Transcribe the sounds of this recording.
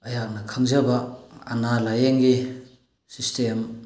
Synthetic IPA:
ɐjak̚nɐkʰaŋzɐbɐːnalajeŋɡi | sistʰem

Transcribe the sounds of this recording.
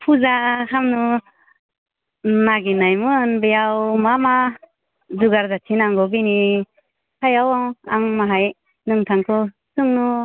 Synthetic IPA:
pʰuzakʰamnu | naɡinajmɯnbɯjawmama | zuɡaɾzatʰinaŋɡɔbini | kʰajawaŋaŋmaɦaj | nɯŋtʰaŋkʰɔ | sɯŋnu

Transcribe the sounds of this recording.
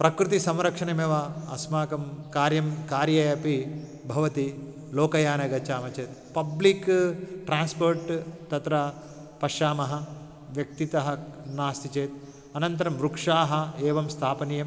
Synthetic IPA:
pɾɐkɾut̪̬isɐmɾɐkʂɐɳɐmeːʋɐɐsmaːkɐmkaːɾjɐmkaːɾjɐjɐpi | bʱɐʋɐt̪i | loːkɐjaːnɐɡɐt͡ʃaːmɐt͡ʃeːt̪pɐblikʈɾaːnspoːɾʈt̪ɐt̪ɾɐ | pɐʃaːmɐɦɐ̆ | ʋjɐk̚t̪it̪ɐɦɐnaːst̪ʰit͡ʃeːt̪̚ | ɐnɐnt̪ɐɾɐmɾukʂaːɦɐ̆eːʋɐmst̪ʰaːpɐnijɐm

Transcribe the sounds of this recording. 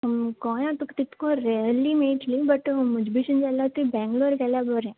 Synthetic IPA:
ɦɐmkɔːjãt̪ukt̪ɪt̪kõɾɛlimeːʈlibɐʈmʊd͡ʒbʱiʃənd͡ʒalat̪ibɛ̃ːŋɡloːɾkɛːlabəɾɛ̃ː

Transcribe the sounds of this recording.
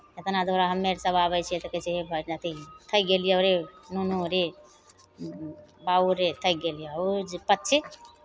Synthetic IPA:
et̪nad̪oɾaɦəmːeɾsəbabəjt͡ʃʰiɛt̪əkət͡ʃʰiɦebʱətnət̪ʰit̪ʰəjɡelijoɾenunuɾe | bauɾet̪ʰəjɡeljaod͡ʒpətːt͡ʃʰi

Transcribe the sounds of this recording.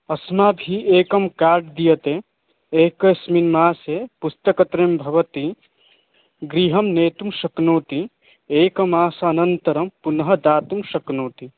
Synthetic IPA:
ɐsmaːbʱieːkɐmkaːɾɖd̪ijɐt̪e | eːkɐsminmaːsepust̪ɐkɐt̪ɾembʱɐʋɐt̪i | ɡɾiːɦɐmneːt̪umʃɐknoːt̪i | eːkɐmaːsaɐnɐnt̪ɐɾɐmpunɦɐ̆d̪aːt̪umʃɐknoːt̪i

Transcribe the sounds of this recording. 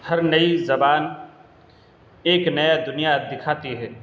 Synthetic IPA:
hɐɾnɐizɐbaːn | eːknɐjad̪ʊnijad̪ɪkʰaːt̪iɦɛː

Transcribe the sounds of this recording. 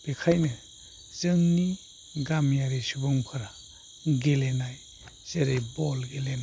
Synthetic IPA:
b̥ekʰajnɯ | z̥ɯŋni | ɡamjaɾisubɯŋpʰɯɾa | ɡelenaj | z̥eɾajbɔlɡelena

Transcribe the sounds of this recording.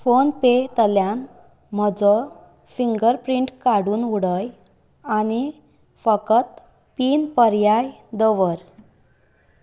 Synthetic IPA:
fonpet̪əljan | m̤əd͡zɔ | fiŋɡəɾpɾiɳʈkaɽuːnuɽəj | añi | fəkət̪ | piːnpəɾjajd̪əʋəɾ

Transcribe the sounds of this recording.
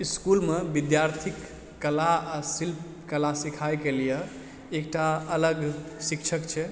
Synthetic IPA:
iskulmebid̪jaɾt̪ʰikː | əlaasilp̚ | kəlasikʰajkelije | ek̚ʈaələɡsikt͡ʃʰəkt͡ʃʰɛ

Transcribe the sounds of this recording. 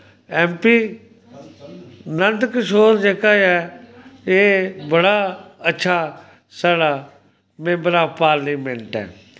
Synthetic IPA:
ɛːmpiː | nənd̪kʃoːɾd͡ʒeːkaːɛː | eːbəɽaːətːʃʰaː | saːɽaː | mẽmbəɾaːpaːɾliːmẽɳʈɛ̰ː

